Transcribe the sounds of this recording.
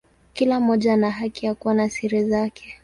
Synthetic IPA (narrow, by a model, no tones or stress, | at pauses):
kilam̩ɔʄanaɦakijakuwanasiɾizakʰɛ̥